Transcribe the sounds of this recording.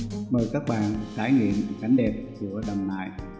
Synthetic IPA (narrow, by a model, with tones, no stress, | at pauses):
məː˨˩jkaː˦˥k̚ɓa̰ː˧˨nɗɨ˨˩k̚t̪aː˧˩jŋwḭ˧˨ən˨˩ka˨˦jŋ̟ɗɛ˨˩p̚t͡ɕɨ̰˧˩əɗə˨˩wŋ͡mla̰ː˧˨j